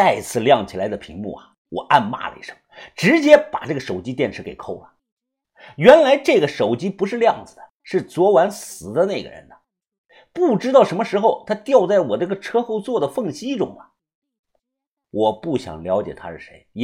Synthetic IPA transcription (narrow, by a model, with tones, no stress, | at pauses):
a˥˧ɪt͡sʰɹ̩˥˩ljɑ˥˩ŋt͡ɕʰi˨˩la˧˥ɪd̪ə˧pʰḭ˧˥ŋmṵ˥˩ɐ˨ | wɔ̰˨˩ʔa˥˧nma̰˥˩lə̰˨ḭ˧˥˩ʂɤ̥˧˥ŋʈ͡ʂɻ̩˧˥t͡ɕjɛ˥pa̰˨˩ʈ͡ʂɤ˥˩ɡə˩ʂo˨˩ʊt͡ɕi˥t̪jɛ˥˩nʈ͡ʂʰɻ̩˧˥ke˨˩ɪkʰo˥˩ʊlɐ˩ | ɥɛ˧˥nla˧˥ɪʈ͡ʂɤ˥˩ɡə˩ʂo˨˩ʊt͡ɕi˥pu˧˥ʂɻ̩˥˧ljɑ˥˩ŋd͡zɹ̩˩d̪ə˩ʂɻ̩˥˩t͡swɔ˧˥wa˧˥nsɹ̩˨˩d̪ə˦na˥˩ɪɡə̰˩ɻə̰˧˥nə˩ | pu˥˩ʈ͡ʂɻ̩˥t̪ɑ˥˩ʊʂə˧˥nmə˧ʂɻ̩˧˥xo˧ʊt̪ʰa˥t̪jɑ˥˧ʊt͡sa˥˩ɪwɔ˨˩d̪ə˥˧ɡə˧ʈ͡ʂʰɤ˥xo˥˧ʊt͡swɔ˥˩d̪ə˩fɤ˥˩ŋɕi˥ʈ͡ʂʊ̰˥ŋɐ˨ | wʔɔ˨˩pu˥˩ɕjɑ̰˨˩ŋljɑ˧˥ʊt͡ɕjɛ̰˨˩t̪ʰa̰˥ʂɻ̩˥˩ʂḛ˧˥ɪ